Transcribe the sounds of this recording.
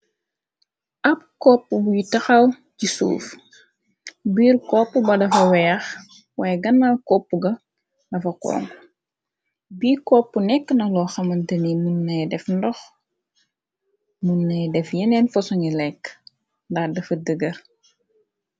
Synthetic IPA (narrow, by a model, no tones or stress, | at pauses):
ʔɐp̚kɔpːubujitɐxɐw | cisṵːf | biːrkɔpːəbɐdɐfɐwɛːɐx | waːjɐɡɐnːalkɔpːuɡɐ | dɐfɐkɔ̰ːŋ | biːkɔpːənɛkːənɐlɔːxɐmɐntɐnimunːɐjdɛfndɔx | munːɐjdɛfjɛnɛnfɔsɔɲilɛkː | ndɐxdɐfɐdəɡɐr